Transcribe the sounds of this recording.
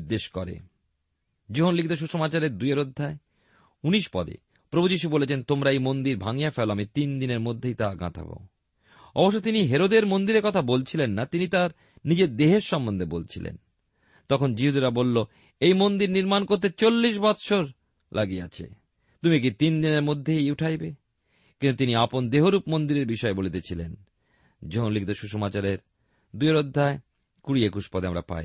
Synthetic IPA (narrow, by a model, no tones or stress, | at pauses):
d̪eʃkɔɾḛ | d͡ʑoɦonlikʰit̪oʃ̬uʃomat͡ɕaɾeɾd̪ujeɾod̪ʱːae | uniʃpɔ̰d̪ḛ | pɾobʱud͡ʑiʃubolet͡ɕʰent̪omɾaejmond̪iɾbʱaŋijafeloamit̪ind̪ineɾmod̪ʱːejt̪aɡa̰t̪ʰa̰ba̰o | ɔ̰boʃːot̪iniɦeɾod̪eɾmond̪iɾeɾkɔt̪ʰabolt͡ɕʰilenːat̪init̪aɾ | nid͡ʑeɾd̪eɦeɾʃɔmbond̪ʱebolt͡ɕʰilḛn | t̪ɔkʰond͡ʑiɦud̪iɾabolːo | ejmond̪iɾniɾmankoɾt̪̬et͡ɕolːiʃ̬bɔt̪ʃoɾ | lʔaɡia̰t͡ɕʰḛ | t̪umik̬it̪ind̪ineɾmod̪ʱːeejuʈʰajbe | kint̪ut̪iniapond̪eɦoɾupmond̪iɾeɾbiʃɔebolet̪et͡ɕʰilen | d͡ʑolik̚d̪oʃuʃomat͡ɕaɾeɾ | d̪ueɾod̪ʱːae | kuɾiekuʃpɔd̪eamɾa̰pa̰j